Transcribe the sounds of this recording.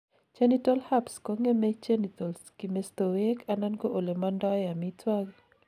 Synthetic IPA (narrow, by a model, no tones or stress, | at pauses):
t͡ʃanitɔlhapskɔŋemɛt͡ʃanit̪ɔlskimest̪owekʰananɡoʔolemandɔjamitwaɡ